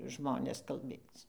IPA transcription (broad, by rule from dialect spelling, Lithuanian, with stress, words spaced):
ˈʒmoːnʲeːs kɐlʲˈbʲeːt͡s